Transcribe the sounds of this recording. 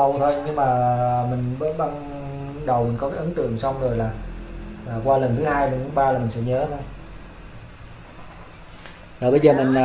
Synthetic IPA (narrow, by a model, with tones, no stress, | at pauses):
ə˧˩wt̪ʰo˧jɲɨ˧ŋmaː˨˩mï˨˩ŋ̟ɓə˧˦ɓa˧n | ɗə˨˩wmï˨˩ŋ̟kɔ˨˦kɛː˨˦˥ʔə˨˦nt̪ɨ̰˧˨əŋsa˧wŋ͡mzo˨˩jlaː˨˩laː˨˩kwaː˧lə˨˩nt̪ʰɨ˨˦haː˧jlə˨˩nt̪ʰɨ˨˦ɓaː˧laː˨˩mï˨˩ŋ̟sɛ̰˧˥ɲəː˨˦t̪ʰo˧j | laː˨˩ɓə˧jzəː˨˩mï˨˩ŋ̟ː˨